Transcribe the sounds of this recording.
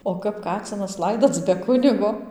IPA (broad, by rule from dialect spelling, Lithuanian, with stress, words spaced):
oː ˈkɐp ˈkɑːt͡sʲɪnɐs ˈlˠɐɪdoːt͡s bʲɛ ˈkʊnʲɪɡoː